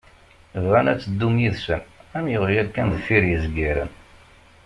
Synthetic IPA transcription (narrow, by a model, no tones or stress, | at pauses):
vʁænæt͡sːəd̪ːumjiðsənæmjʊʁɾijælkænðfiɾjəzɡiɾə̰n